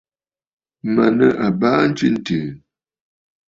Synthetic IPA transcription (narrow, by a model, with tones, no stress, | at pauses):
ma˨nə˨ʔa˨baː˦n̩˦t͡ʃi˦n̩˦˨təː˨